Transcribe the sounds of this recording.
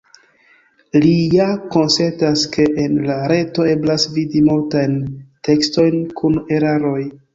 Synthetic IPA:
lijako̞nse̞ntaske̞ʔenlaɾe̞to̞e̞blasvidimultajnte̞ksto̞jnkʰune̞ɾaɾo̞j

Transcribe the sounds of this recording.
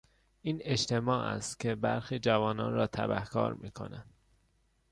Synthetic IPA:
ʔiːne̞ʃt̪e̞mɒːʔæ̰st̪cʲʰe̞bæɾxiːd͡ʒævɒːnɒ̰ːnɾɒːt̪ʰæ̰bæ̰hkʰɒ̰ːɾmiːkʰo̞̰nænd̪̥

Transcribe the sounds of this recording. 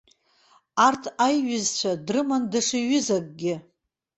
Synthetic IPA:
artʰajɥɪzt͡ɕʷʰadrɨmandaʂiɥʏzak̚ʼɡʲɪ

